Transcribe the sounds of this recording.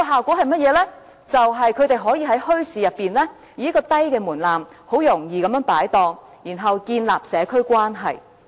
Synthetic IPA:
ɔ˧ɦaː˨˩wkʷɔː˨˥hɐ˨jmɐ˥t̚jɛː˨˧˥lɛː˥ | t͡sɐ˨wɦɐ˨jkʰɵ˨˧ɥt̪e˨jɦɔː˨˥jiː˧ɦɐ˨˥jhɵ˥ɥsiː˨˧jɐ˨pːiː˨˩nlɛː˥ | jiː˨˧jɐ˥kːɔː˧t̪ɐ˥jkɛː˧muː˨˩nlaː˨m | ho˨˥wjʊ˨˩ŋjiː˨kɐ˨˥mjœː˨˥ŋpaː˨˥jt̪ɔː˧ŋ | jiː˨˩nɦɐ˨wkiː˧nlaː˨p̚sɛː˨˧kʰɵ˥ɥkwaː˥nɦɐ˨j

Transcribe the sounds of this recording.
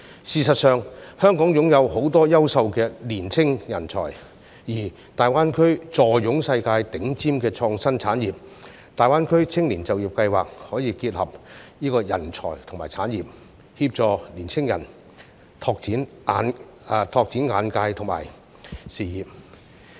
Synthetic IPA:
siː˨˩sɐ˨t̚sœː˨˧ŋhœː˥ŋkɔː˨˥ŋjʊ˨˥ŋjɐ˨˧who˨˥wt̪ɔː˥jɐ˥wsɐ˧wkɛː˧liː˨˩nt͡sʰɪ˥ŋjɐ˨˩nt͡sʰɔ̰ː˨˩j | jiː˨˩ | t̪aː˨jwaː˥nkʰɵ˥ɥt͡sɔː˨˩jjʊ˨˥ŋsɐ˧jkaː˧jt̪ɪ˨˥ŋt͡siː˥mkɛː˧t͡sʰɔː˧ŋsɐ˥nt͡sʰaː˨˥njiː˨p̚ | t̪aː˨jwaː˥nkʰɵ˥ɥt͡sʰɪ˥ŋliː˨˩nt͡sɐ˨wjiː˨p̚kɐ˧jwaː˨k̚hɔː˨˥jiː˧kiː˧t̚hɐ˨p̚niː˥kɔː˧jɐ̰˨˩nt͡ʃʰɔ̰ː˨˩jt̪ʰʊ˨˩ŋmaː˨˩jt͡sʰaː˨˥njiː˨p̚ | hiː˧p̚t͡ʃɔː˨˧liː˨˩nt͡sʰɪ˥ŋjɐ̰˨˩n | t̪ʰɔː˧k̚t͡siː˨˥n˨˧ | n˧ | t̪ʰɔː˧k̚t͡si˨˥nŋaː˨˧nkaː˧jt̪ʰʊ˨˩ŋma̰ː˨˩j | siː˨˩jiː˨p̚

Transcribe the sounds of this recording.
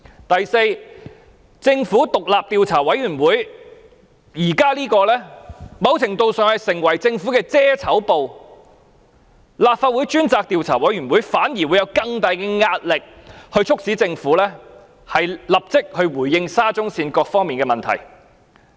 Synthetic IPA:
t̪ɐ˨jse˧j | t͡sɪ˧ŋfuː˨˥t̪ʊ˨k̚laː˨p̚t̪iː˧wt͡sʰaː˨˩wɐ˨˥jɥyː˨˩nwuː˨˥j | jiː˨˩kaː˥liː˥kɔː˧lɛː˥mɐ˨˧wt͡sʰɪ˨˩ŋt̪o˧wsœː˨ŋhɐ˨jsɪ˨˩ŋwɐ˨˩jt͡sɪ˧ŋfuː˨˥kɛː˧t͡sɛː˥t͡sʰɐ˨˥wpo˨w | laː˨p̚faː˧t̚wuː˨˥jt͡ʃyː˥nt͡saː˧k̚t̪iː˧wt͡sʰaː˨˩wɐ˨˥jɥyː˨˩nwu˨˥jfaː˨˥nji˨˩wu˨˧jɐ˨˧wkɐ˧ŋt̪aː˨˧jkɛː˧ŋaː˧t̚lɪ˨k̚hɵ˧ɥt͡sʰʊ˥k̚siː˨˥t͡sɪ˧ŋfuː˨˥lɛː˥ | hɐ˨jlɐ˨p̚t͡sɪ˥k̚hɵ˧ɥwuː˨˩jɪ˧ŋsaː˥t͡sʊ˥ŋsiː˧nkɔː˧k̚fɔː˥ŋmiː˨nkɛː˧mɐ˨nt̪ʰɐ̰˨˩j

